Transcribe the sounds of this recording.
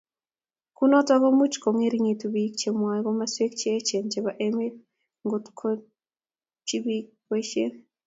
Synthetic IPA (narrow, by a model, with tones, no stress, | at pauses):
ku˦nɔ˦tɔ˦ɣɔ˦mu˦t͡ʃko˨ŋe˦ɾiŋi˨tubikt͡ʃe˨mwa˨ɡɔ˦maswe˦k̚t͡ʃeː˦t͡ʃe˨nt͡ʃe˨βaʔeme˦ | ŋɡotkʰo | t͡ʃi˦bik | weʃe˦